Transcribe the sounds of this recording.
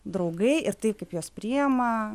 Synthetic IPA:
d̪ɾɐʊɡɐɪʔɪɾt̪ɐɪpkɐɪpjoːspʲɾʲijɛmɐ

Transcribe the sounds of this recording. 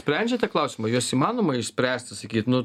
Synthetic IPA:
sʲpʲɾʲɛnʲd͡ʒʲɛt̪ʲiɛklˠɐʊsʲɪmɐjuɔsiːmɑːnoːmɐɪʃʲsʲpʲɾʲæːsʲt̪ʲsɐkʲiːt̪nʊ

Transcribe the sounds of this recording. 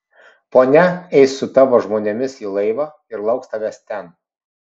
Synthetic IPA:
poːnʲɛɛɪsːʊt̪ɑːʋoːʒmoːnʲɛmʲɪsiːlˠɐɪʋɑː | ɪɾlˠɐʊkst̪ɐʋʲɛst̪ʲɛn

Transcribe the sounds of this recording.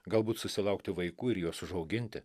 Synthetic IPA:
ɡɐlˠbuːt̪sʊsʲɪlˠɐʊkt̪ʲɪʋɐɪkuːɪɾjuɔsʊʒɒʊɡʲɪnʲt̪ʲɪ

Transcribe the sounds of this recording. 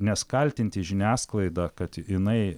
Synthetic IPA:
nʲɛskɐlʲt̪ʲɪnʲt̪ʲɪʒʲɪnʲæːsklˠɐɪd̪ɐkɐt̪jɪnɐɪ

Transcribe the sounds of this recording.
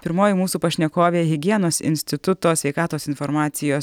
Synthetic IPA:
pʲɪɾmoːjɪmuːsuːpɐʃʲnʲɛkoːʋʲeːɦʲɪɡʲiɛnoːsɪ̰nʲsʲt̪ʲɪt̪ʊt̪oːsʲʋʲɛɪkɑːt̪oːsɪnfɔɾmɑːt̪sʲɪjoːs

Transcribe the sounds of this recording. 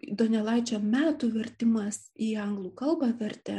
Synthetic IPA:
id̪oːnʲɛlˠɐɪt͡ʃʲoːmʲæːt̪uːʋʲɛɾʲt̪ʲɪmɐsiːɐŋɡlˠuːkɐlˠbɑʋʲɛɾʲt̪ʲɛ

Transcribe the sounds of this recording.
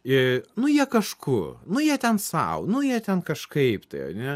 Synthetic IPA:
ɪnʊjiɛkɐʃkʊnʊjiɛt̪ʲɛnsɐ̰ʊnʊjiɛt̪ʲɛnkɐʃkɐɪpt̪ɐɪɐ̰nʲɛ

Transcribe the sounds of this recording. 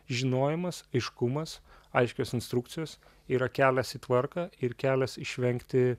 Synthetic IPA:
ʒʲɪnoːjɪmɐsɐɪʃkʊmɐs | ɐɪʃʲkʲoːsɪnst̪ɾʊkt̪sʲɪjoːs | iːɾɐkʲæːlʲɛsiːt̪ʋɐrkɑːɪɾkʲæːlʲɛsɪʃʲʋʲɛŋʲkt̪ʲɪ

